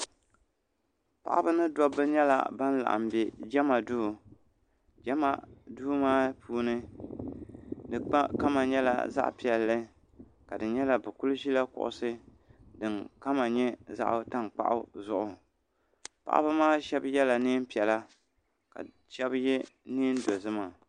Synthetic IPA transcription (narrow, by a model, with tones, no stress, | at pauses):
pa̰˨ʔa̰˦bɨ˦nɨ˦dɔ˦bːɨ˦ɲɛ˦la̰˨ba˦n˦la̰˨ʔa̰˨mbɛ˨d͡ʒɛ˦ma˨duː˦˨ | d͡ʒɛ˦ma˨duː˦maː˦puː˦nɨ˦ | dɨ˨k͡pa˦ka˦ma˨ɲɛ˦la̰˨za̰˦ʔpi˨ɛ˨lːɨ˦ | ka˨dɨ˨ɲɛ˦la˨bɨ˨ku˦lʒi˦la˦kʊ̰˨ʔʊ̰˨sɨ˦ | dɨ˨ŋka˦ma˨ɲɛ˦za̰˦ʔta˦ŋk͡pa̰˦ʔʊ̰˦zʊ˨ʔʊ˨ | pa̰˨ʔa̰˦bɨ˦maː˦ʃɛ˦bjɛ˦la˨niː˦m˦pi˨ɛ˨la˦ | ka̰˨ | ʃɛ˦bjɛ˦niː˦n˦do˨zɨ˦ma˨